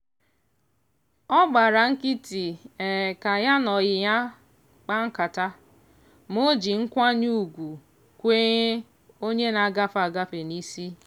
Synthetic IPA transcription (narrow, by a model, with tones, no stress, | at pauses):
ɔ˦ɡ͡ba˨ɾa˨ŋ̩˦ki˦ti˨ɛ˨ka˨ja˦nɔ˨jɪ˨ja˦ | k͡pa˦ŋ̩˦ka˨ta˦ | mo˦d͡ʒi˨ŋ̩˦kʷa˦ɲu˦˨ɡʷu˨ | kʷe˦ɲe˦ | o˦ɲe˦na˨ɡa˦fa˨ɡa˦fe˨ni˦si˦